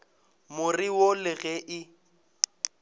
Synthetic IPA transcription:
mʊriwolɪɣɛʔɪ

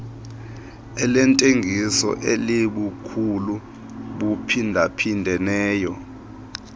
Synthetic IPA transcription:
ɛlɛntʼeŋɡʱisɔ̰ʔeliɓukʰulu | ɓupʰindʱapʰindʱɛnɛːjɔ

